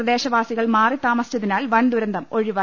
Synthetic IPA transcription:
ɐd̪e̞ːɕɐʋaːsiɣɐɭmaːrit̪aːmɐsjɐðinaːlʋɐnd̪uɾɐnd̪ɐmo̞ɻiʋɐ

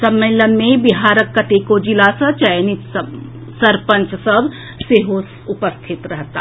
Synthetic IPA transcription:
sɐmeːlənmẽbiɦaːɾəkːaʈ̪eːkod͡ʒilaːsɐt͡ʃɐjnit̪ | sɐɾpə̃ɲt͡ʃsəb | seɦos | ʊpəst̪ʰɪt̪ɾɐɦt̪a̰ː

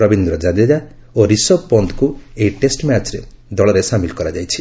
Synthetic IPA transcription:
ɾɔbind̪ɾɔd͡ʒad̪ed͡ʒa | oɾisɔpɔnt̪ʰkueiʈesʈmat͡ʃɾe | d̪ɔɭɔɾesamilkɔɾad͡ʒajt͡ʃʰi̥

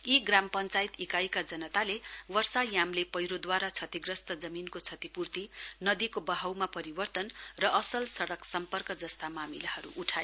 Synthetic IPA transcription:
iɡrampʌnt͡sajt̪ikajkad͡zʌnʌt̪alewʌrsajamlepʌjɾod̪waɾat͡sʰʌt̪iɡrʌst̪ʌd͡zʌminkot͡sʰʌt̪ipurt̪inʌd̪ikobʌɦawmapʌɾibʌrt̪ʌnrʌʔʌsʌlsʌɽʌksʌmpʌrkʌd͡zʌst̪amamilahʌɾṵʔuʈʰaj

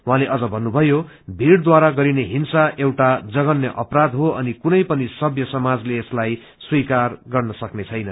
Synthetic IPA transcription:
uɦãleʔʌd͡zʌbʱʌnːubʱʌjo | bʱiɽd̪waɾaɡʌɾineɦinsaʔewʈad͡zʌɡʌnjʌʔʌprad̪ɦoʔʌnikunʌjpʌnisʌbʱjʌsʌmad͡zleːslaj | swikarɡʌrnʌsʌknet͡sʰʌjnʌ

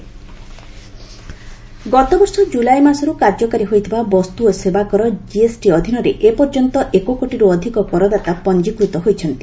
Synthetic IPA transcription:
ɡɔt̪obɔɾsɔd͡ʒulajmasɔɾukaɾd͡ʒɔkaɾiɦojt̪ʰibabɔst̪uɔsebakɔɾɔd͡ʒiesʈiɔd̪ʱinɔɾeʔepɔɾd͡ʒɔnt̪ɔʔekokoʈiɾuɔd̪ʱikɔkɔɾɔd̪at̪apɔnd͡ʒikɾut̪ɔɦojt͡ʃʰɔnt̪i̥

